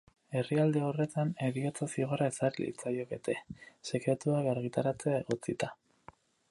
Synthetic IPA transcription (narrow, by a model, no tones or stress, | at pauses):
e̞riald̪e̞o̞re̞t̪ane̞ɾiot͡sasiɣo̞ɾaesarlḭt͡sajo̞ke̞t̪e̞se̞kɾe̞t̪uakaɾɣ̞it̪aɾat͡se̞ae̞ɣo̞t͡sit̪a